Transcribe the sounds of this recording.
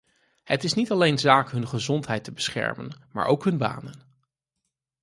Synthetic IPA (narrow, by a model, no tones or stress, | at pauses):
hətɪsnitɑlejnzaːkɦɵnχəzɔntɦɛjtəbəsχɛ̰ɹmə̰nma̰ːɹʔowkɦɵnba̰ːnən